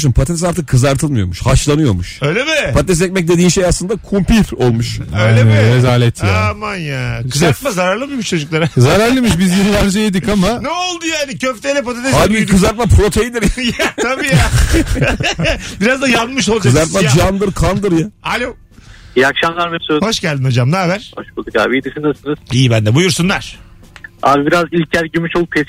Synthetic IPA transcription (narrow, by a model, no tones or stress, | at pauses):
ʃɯmpʰat̪ɛnsaɾt̪ʰɯkʰːɯzaɾt̪ʰɯlˠmɯjo̞muʃhaʃlˠanɯjo̞̰muʃøjlʲebɪpʰat̪ɛnes̬ɛc̚ʲmɛc̚d̪e̞d̪iːnʃejaslˠɯnd̪akʰumpiɾo̞lˠmuʃøjlʲeezaːlʲɛt̪ʰjaamanjaɯzat̪mazaɾaɾlˠɯmɯʃmuʃt͡ʃʰo̞d͡ʒuklˠaɾazaɾæɾlˠɯmiʃ̬bizjeɾivæɾzeed̪ikamanɛolˠd̪ujaːnɪcʰøft̪ɛelʲep̬od̪at̪eaːikʰɯzaɾt̪̚mapʰɾo̞t̪ʰejid̪iɾjajaabija | biɾazd̪ajanmɯʃ̬o̞lˠd͡ʒazaɾt̪mad͡ʒand̪ɯɾkʰand̪ɯɾjaalʲo | jakʃamlˠaɾmisøho̞ʃɟælʲd̪inod͡ʒamd̪abæɾ̥hoʃbulˠd̪ukaːbid̪isɯnd̪asɯnɯz̥ijbænd̪ɛbujuɾsunlˠaɾ̥ | abibiɾazilʲcʰæɾɟymyʃolˠpʰes